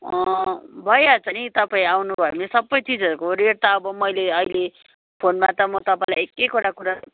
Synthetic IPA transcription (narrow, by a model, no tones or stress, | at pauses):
ʌbʱʌjat͡sʰʌnit̪ʌpaĩawnubʱʌemesʌbːʌjtid͡zʌɾukoɾeɽ̚t̪aʌbʌmʌjleʌile | pʰonmat̪ʌmʌt̪ʌpãĩlajekːekoɽakuɾa